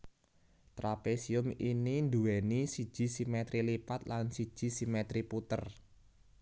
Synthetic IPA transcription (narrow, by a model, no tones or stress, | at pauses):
t̪ɾapesiʊminind̪uwɛnisi̥ʒ̥i̤simet̪ɾilipat̪lansi̥ʒ̥i̤simɛt̪ɾiput̪ər